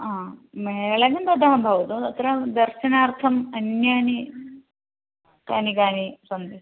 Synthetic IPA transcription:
aːmeɭɐnɐmb̪ɐd̪ʱaɦɐbʱɐʋɐt̪uɐt̪ɾɐd̪ɐɾɕɐnaːɾt̪ʰɐmɐnjaːni | kaːnikaːnisɐnd̪i

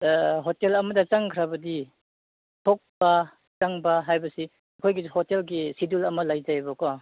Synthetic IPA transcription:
ɦotelɐmɐdɐt͡ʃaŋkʰɾabɐdi | tʰok̚bɐ | t͡ʃaŋbɐɦajbɐsi | ɐkʰojɡihotelɡisidulɐmɐlajzabɔkɔ

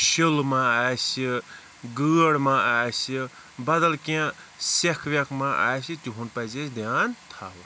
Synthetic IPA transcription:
ʃilmaaːsi | ɡɨːɽmaʔaːsi | bɐd̪ɐlkã | sekʰʋʲɐkmaʔa̰ːsit̪ʲuɦunpɐzesd̪jaːnt̪ʰaɦu

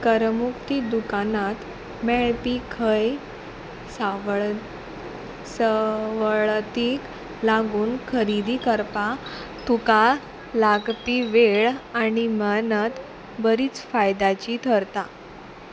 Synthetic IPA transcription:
kəɾmukt̪id̪ukanat̪ | mɛɭpikʰəj | sa | səʋəɭt̪iːk | laɡuːnkʰəɾid̪ikəɾpat̪ʰuka | laɡpiʋeɭanimanət̪ | bəɾiːt͡sfajd̪at͡ɕit̪ʰəɾt̪a

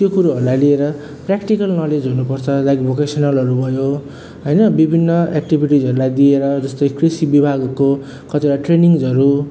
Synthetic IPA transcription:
t̪jokuɾuɦʌɾulajlieɾʌ | prakʈikʌlnʌled͡zʱunupʌrt͡sʰʌlajɡbʱokesʌnʌlɦʌɾubʱʌjo | ɦʌjnʌbibʱinːʌek̚ʈibʱiʈid͡zʌɾulajd̪ieɾʌd͡zʌst̪ojkrisibibʱaɡko | kʌt̪iɽaʈreniŋd͡zʌɾu

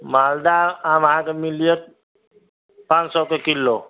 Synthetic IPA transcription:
mald̪aamɦãkemilijəɾ | pãnsɔkekilːo

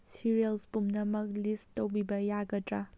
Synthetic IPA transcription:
siɾielspumnɐmɐk̚listowbibɐjaɡɐtɾa

